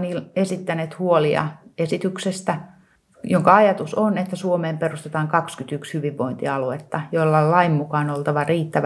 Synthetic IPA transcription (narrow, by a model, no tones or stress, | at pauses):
niːlesit̪ːæneːt̪huoliɑ̰esit̪yksest̪æ | joŋkɑɑjɑt̪usonet̪ːæsuomeːmperust̪et̪ɑːŋkɑkskyt̪ykshyʋiʋʋoint̪iɑluet̪ːɑjolːɑllɑimːukɑːnolt̪ɑʋɑriːt̪ːæʋ